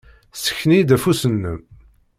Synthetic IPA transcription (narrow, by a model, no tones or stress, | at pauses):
sə̥çːnid̪æfusənːəm